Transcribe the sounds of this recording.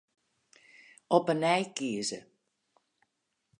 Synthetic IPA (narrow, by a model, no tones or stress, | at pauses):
ɔpənɛjkiəzə